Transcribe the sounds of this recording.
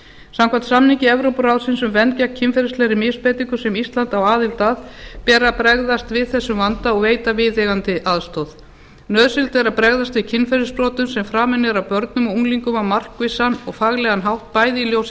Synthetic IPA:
samkʰvḁt̪samniŋcɪɛvɾowpɾawðsɪnsʏmvɛncacʰːɪnfɛɾɪslɛɾɪmɪspejt̪iŋkʏsɛmist̪lant̪awaːðɪlt̪aːðpɛːɾapɾɛɣðast̪vɪðθɛsːʏmvant̪aɔɣveːjt̪avɪðɛɣant̪ɪʔaðst̪owð | nœðsɪlt̪ɛɾapɾɛɣðast̪vɪðcʰɪnfɛɾɪspɾɔːt̪ʏmsɛmfɾaːmɛnːɪɾawpœɾt̪nʏmɔuŋliŋkʏmawmar̥kvɪsːanɔɣfaɣlɛɣanɦawht̪̚paːjðɪiljows

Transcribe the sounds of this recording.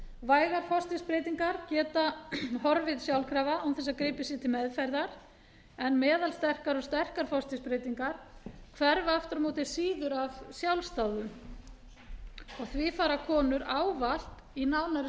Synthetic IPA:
vaːjɣaɾ̥fɔrst̪ɪspɾejt̪iŋkaɾcɛːt̪ahɔɾvɪðsjawlkʰɾaːvaumθɛs̬aðkɾeːpɪsjɛt̪ʰɪlmɛðfajɾðaɾ̥ | ɛnmɛːðalst̪ɛr̥kaɾɔɣst̪ɛr̥kaɾfɔst̪ɪspɾejt̪iŋkaɾ̥kʰvɛɾvaaft̪ʏɾmoːwt̪ɪ̥siːðʏɾavsjawlst̪awðʏm | ɔɣθvɪfaːɾakʰɔːnʏɾaːwval̥t̪ | inawnaɾɪ

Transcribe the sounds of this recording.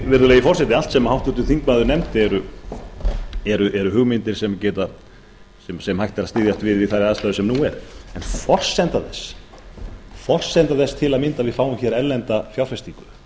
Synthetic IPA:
vɪɾðʏleːjifɔr̥sɛt̪ɪal̥t̪sɛmahawht̪ut̪ʏθiŋkmaðʏɾnɛmt̪ɪɛɾʏ | ɛɾʏʔɛɾʏɦʏɣmɪnt̪ɪɾ̥sɛmcɛːt̪a | sɛmsɛmhajht̪aɾaðst̪ɪːðjast̪vɪðɪðθaɾɪaðst̪aːðʏsɛmnuɛɾɛnfɔr̥sɛnt̪aθɛsː | fɔr̥sɛnt̪aθɛst̪ʰɪlaðmɪnt̪aðvɪðfaːwʏmçɛɾɛlːɛnt̪afjawɾfɛst̪ikʏ

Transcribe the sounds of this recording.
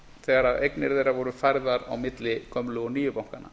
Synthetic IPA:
θɛɣaɾaðejknɪɾðejɾavɔɾʏfajɾðaɾa̰wmɪt̪lɪkʰœmlʏɣɔniːjʏpawŋkana̰

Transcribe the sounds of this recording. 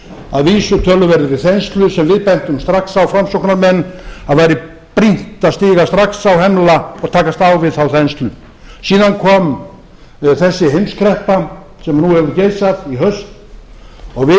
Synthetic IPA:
aðviːsʏt̪ʰœlʏvɛɾðɪvɪθɛnst̪lʏsɛmvɪðpɛn̥t̪ʏmst̪ɾaksawfɾamsowknaɾmɛnːaðvajɾɪ | pɾin̥t̪aðst̪iːɣast̪ɾaksawɦɛmlaɔɣt̪ʰaːkast̪awvɪðθawθɛnst̪lʏ | siːðankʰɔːm | θɛsːɪɦejmskʰɾɛhpa | sɛmnuhɛvʏɾʏcejsaðiɦœst̪ | ɔɣvɪ

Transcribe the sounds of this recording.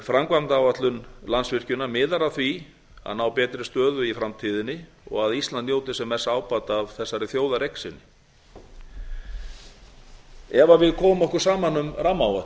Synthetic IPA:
fɾamkvamt̪aːwat̪lʏnlansvɪr̥cʏnːamɪːðaɾaθvi | a̰ðnawpɛːt̪ɾɪst̪œːðʏifɾamt̪ʰiðɪnːɪ | ɔ̰ɣaðist̪lannjoːwt̪ɪsɛmɛsːaːwpat̪avθɛsːaɾɪθjoːwðaɾejksɪnːɪ | ɛvavɪðkʰɔːmʏmɔhkʏɾ̥saːmanʏmramawa

